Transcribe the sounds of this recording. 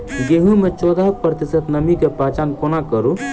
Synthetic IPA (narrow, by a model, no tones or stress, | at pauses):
ɡeɦũmet͡ʃɔːd̪aɦ̚pɾət̪isət̪nəmikepat͡ʃankonakəɾu